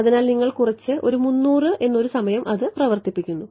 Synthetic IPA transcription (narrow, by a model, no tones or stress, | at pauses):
ɐðinaːlniŋːɐɭkurɐt͡ɕːɨʔo̞ɾumunːuːrɨʔe̞nːo̞ɾusɐmɐjɐmʔɐðɨprɐʋɐrt̪ipːikʲːunːu